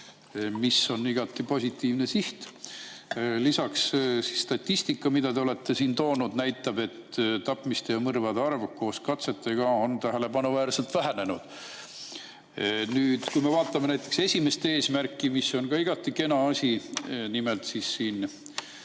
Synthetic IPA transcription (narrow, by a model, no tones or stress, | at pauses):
misːo̞niɡ̥ɑt̪ːˑipo̞sʲit̪ːˑiːvne̞siht̪ | lisɑkssisst̪ɑt̪ʲːist̪ikːˑɑmid̪ɑd̪eole̞t̪ːe̞siːnt̪o̞ːnud̪̥næjt̪ːˑɑb̥e̞t̪t̪ɑpːˑmist̪e̞jɑmɤrvɑd̪eɑrvko̞ːskɑt̪se̞t̪ːe̞ɡ̥ɑo̞nt̪æɦele̞bɑnuvæːrselt̪væɦæne̞nud̪̥ | nyːd̪̥kujme̞vɑːt̪ːˑɑme̞næjt̪ːˑe̞kse̞sʲime̞st̪ee̞ːsmærkˑːimisːo̞nkɑiɡ̥ɑt̪ːˑike̞nɑɑsʲinimelt̪sisːiːn